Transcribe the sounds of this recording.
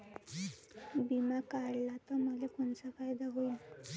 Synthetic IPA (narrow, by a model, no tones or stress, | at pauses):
bimakaɾlat̪əməlekoɳt͡safajd̪aɦoi